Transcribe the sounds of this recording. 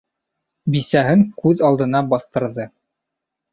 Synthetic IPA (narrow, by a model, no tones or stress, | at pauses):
bisæɦɘŋkʉðɑlˠd̪ɤ̆nɑbɑθt̪ɤ̆ɾðɤ